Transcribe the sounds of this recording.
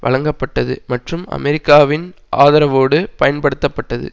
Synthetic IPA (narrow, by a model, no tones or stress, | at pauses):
ʋʔɐ̰ɭɐŋɡɐpːɐʈːɐðɯ̰mɐʈrɯmɐ̰mɛɾɪkːaːʋɪn | ʔa̰ːðɐɾɐʋoːɽɯpɐjɐnpɐɽɯt̪ːɐpːɐʈːɐðɯ̰